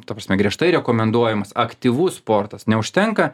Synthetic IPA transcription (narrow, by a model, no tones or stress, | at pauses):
t̪ɐpɾɐsʲmʲɛɡɾʲiɛʃt̪ɐɪɾʲɛkoːmʲɛnd̪uɔjɛmɐsɐkt̪ʲiʋuːspoːrt̪ɐsnʲɛʊʃʲt̪ʲɛŋkɐ